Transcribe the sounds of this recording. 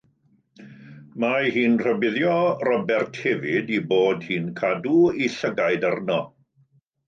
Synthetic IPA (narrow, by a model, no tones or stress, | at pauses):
maɦiːnr̥əbɪðjɔrɔbɛrtʰhɛvɪdiboːdhiːnkʰaduiɬəɡajdarnɔ